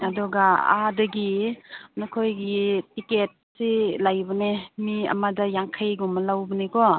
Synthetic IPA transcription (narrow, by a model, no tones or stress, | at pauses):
adɔɡaa̰dɐɡinɔkʰojɡitiket̚silajbɔnemiɐ̰madajaŋkʰajɡɔmalawbənekɔ